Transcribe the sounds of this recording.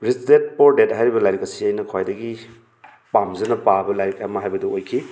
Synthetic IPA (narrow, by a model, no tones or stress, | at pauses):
ɾisdet̚poɾdetɦajɾibɐlajɾikɐsiajnɐkʰwajdɐɡi | pamzɐnɐpabɐlajɾik̚amɐɦajbɐdɐojkʰi